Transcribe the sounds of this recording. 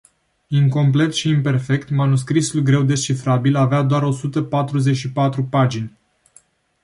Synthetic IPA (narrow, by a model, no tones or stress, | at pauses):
iŋko̞mple̞t̪ʃiːmpe̞rfe̞kt̪manuskɾisulɡɾe̞wd̪e̞ʃifɾabilavead̪oaɾo̞sut̪əpat̪ɾuze̞t͡ʃʃipat̪ɾupad͡ʒinʲ